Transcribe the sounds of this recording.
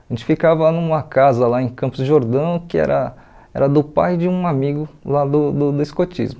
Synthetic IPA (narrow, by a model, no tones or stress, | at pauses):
aʒẽt͡ʃɪ̥fikavɐnũmɐkazɐlaẽkɐ̃mpʊzʒoɾd̪ɐ̃w̃kɪɛ̰ɾɐ | ɛ̰ɾɐd̪ʊpajd͡ʒɪũamiɡʊlad̪ʊd̪ʊd̪ʊiskot͡ʃḭzmʊ